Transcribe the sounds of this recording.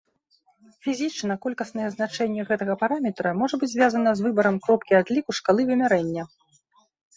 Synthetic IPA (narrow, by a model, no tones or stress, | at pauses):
fʲizʲit͡ʂnɐkɔlʲkɐsnɐjɛznat͡ʂɛnʲːɛɣɛt̪ɐɣɐpaɾamʲɛt̪ɾɐmɔʐɐbɨd͡zʲzʲvʲjazɐnɐzvɨbɐɾɐmkɾɔp̚kʲiad̪lʲikuʂkalˠɨvɨmʲaɾɛnʲːɐ